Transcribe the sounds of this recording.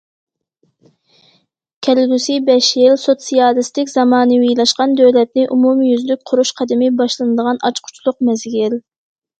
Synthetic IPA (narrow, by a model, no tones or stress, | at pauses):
kʲʰɛlɡʲysibɛʃjilsot̪sijɑːlɨst̪ɪkʲzɑmɑːnɨwilˠɑʃqɑnd̪øwlɛt̪̚nɪʔumumjyzlyk̚ʲqʰʊɾuʃqʰɑd̪ɪmɪbɑʃlˠɨnɨd̪əʁɑnʔɑt͡ʃqʰʊ̥t͡ʃʰlˠʊq̚mɛzɡʲil